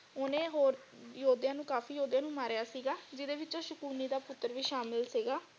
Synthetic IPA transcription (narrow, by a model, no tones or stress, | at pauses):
oːnẽːɦoːɾ | joːd̪jãːnũːkaːfiːjoːd̪jãːnũːmaːɾejaːsiːɡaːd͡ʒɪd̪eːʋɪt͡ʃãːʃʊkuːniːd̪aːpʊt̪ːəɾʋiːʃaːmɪlsiːɡaː